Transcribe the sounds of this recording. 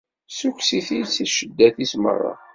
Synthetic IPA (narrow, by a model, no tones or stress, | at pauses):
suksiθijt͡sːiʃəd̪ːæθismə̰rˤːɑ̰